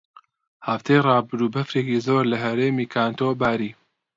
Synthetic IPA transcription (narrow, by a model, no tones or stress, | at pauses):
haft̪ʰejrˤɑːbɨɾuːbɐfɾeːkizoːɾlɐɦɐɾeːmiːkʰaːnt̪ʰobaːɾiː